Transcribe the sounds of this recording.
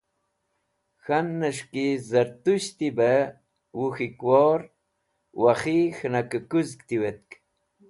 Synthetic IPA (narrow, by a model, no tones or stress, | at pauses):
xanːəʂkizəɾt̪uʃt̪ibə | wuxikwoɾ | waχixnakəkuzkt̪iwet̪̚k